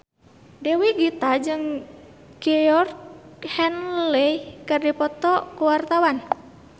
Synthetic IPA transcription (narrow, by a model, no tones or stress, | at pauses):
dɛwiɡit̪ad͡ʒɨŋ | ɡɛɔrhɛnlɛikardipɔt̪ɔkuwart̪awan